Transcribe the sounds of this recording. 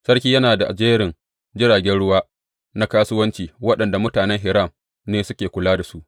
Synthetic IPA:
sɐ˦ɽkʲiː˦jɐ˦naː˨da˨ʔa̰˨d͡ʒeː˦ɾɪ˨ŋ | d͡ʒɪ˦ɽaː˨ɡʲɛ˦nɽʊ˦waː˦ | na˦kaː˦sʊ˦wɐ˦nt͡ʃiː˨wɐ˦ɗɐ˨nda˨mʊ˦taː˨nɛ˦ŋɦɪ˨ɾa˦˨m | neː˦sʊ˦kʲeː˨kʷʊ˨laː˦da˨su˦ʔ

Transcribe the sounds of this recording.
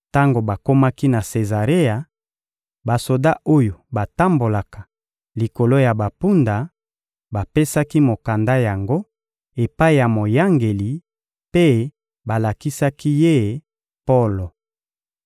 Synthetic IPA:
ta˦ŋɡo˨ba˨ko˦ma˦ki˦na˨se˨za˨ʁe˦ja˨ | ba˨so˨da˦ʔo˦jo˨ba˨ta˦mbo˨la˨kḁ˨ | li˨ko˨lo˦ja˨ba˨pu˦nda˨ | ba˨pe˦sa˦ki˦mo˨ka˨nda˦ja˨ŋɡo˦ | e˨pa˦i˨ja˨mo˨ja˦ŋɡe˨li˨ | pe˦ | ba˨la˨ki˦sa˦ki˦je˦ | po˦lo˨

